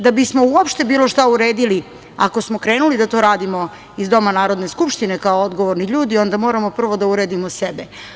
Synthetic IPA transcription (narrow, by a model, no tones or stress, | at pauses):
d̪abismo̞uopʃt̪e̞biːlˠo̞ʃt̪auɾeːd̪ili | a̰ko̞smo̞kɾe̞ːnulid̪at̪o̞ːɾaːd̪imo̞ | izd̪o̞manaːɾod̪ne̞skupʃt̪ine̞kaood̪ɡoʋoɾniʎuːd̪io̞nd̪amo̞ːɾamo̞pr̩ʋo̞d̪auɾeːd̪imosebe